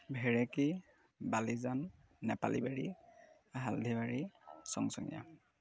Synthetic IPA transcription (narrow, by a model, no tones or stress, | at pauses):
bʱɛɹɛki | balizanː | ɛpa̰libaɹi | aɦaldʱibaɹisɔ̰ŋsɔŋḭja̰